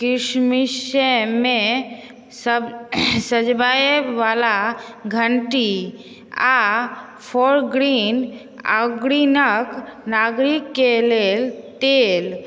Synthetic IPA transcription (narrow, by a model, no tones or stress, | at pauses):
kɪʃmiʃemẽ | səsəd͡ʒbajeʋalaɡʱəɳʈi | a | pʰoɾɡɾin | a̰ɡɾinəknaɡɾikːelelt̪el